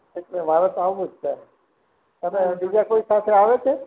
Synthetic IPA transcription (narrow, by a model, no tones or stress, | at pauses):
eknẽbʱaɾət̪aʋumud͡ʒʱta | t̪ənebid͡ʒakoisat̪ʰeaʋet͡ʃʰe